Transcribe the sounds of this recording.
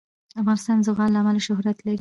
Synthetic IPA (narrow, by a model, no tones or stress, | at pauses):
afɣɑnɪst̪ɑnzʊɣɑnlaːmalaʃʊhɾat̪laɾi